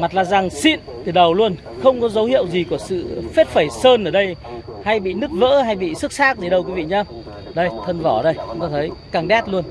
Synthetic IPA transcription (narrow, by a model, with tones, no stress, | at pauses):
ma˨˩t̚laː˨˩za˨˩ŋsḭ˧˨nt̪ʰi˨˩ɗə˨˩wlu˧ən | xə˧wŋ͡mkɔ˨˦zə˨˦whḭ˧˨əwzi˨˩ku˧˩əsɨ̰˧˨fe˦˥t̚fə˧˩jsəː˧nʔəː˧˩ɗə˧jha˧jɓḭ˧˨nɨ˦˥k̚və̰ː˧˥ɦa˧jɓḭ˧˨sɨ˦˥k̚saː˦˥k̚zi˨˩ɗə˧wkwi˨˦vḭ˧˨ɲə˧ | ɗə˧jt̪ʰə˧nvɔ˧˩ɗə˧jt̪ɔ˧˦˩t̪ʰə˨˦jkaː˨˩ŋɗɛ˦˥t̚lu˧ən